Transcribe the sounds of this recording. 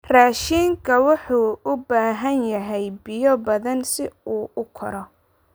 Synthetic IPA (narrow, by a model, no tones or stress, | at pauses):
raːʃiŋkʰɐwɑħuːʔʊbaːɦɐnjɐɦɛjbɪjɔbɐðɐnsɪuːʔʊkʰɐɾɔ